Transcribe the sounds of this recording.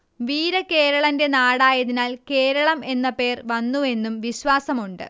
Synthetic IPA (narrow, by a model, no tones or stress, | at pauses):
ʋiːɾɐke̞ːɾɐɭɐnde̞naːɽaːjɐðinaːlke̞ːɾɐɭɐme̞nːɐpe̞ːrʋɐnːue̞nːumʋiɕʋaːsɐmuɳɖɨ̰